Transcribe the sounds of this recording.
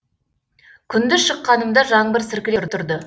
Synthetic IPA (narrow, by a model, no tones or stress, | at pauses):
kʲʰʏnd̪ɪʃəqːɑnəmd̪ɑʒɑɴbɪɾsɪɾkʲɪleɾt̪ʰʊɾd̪ə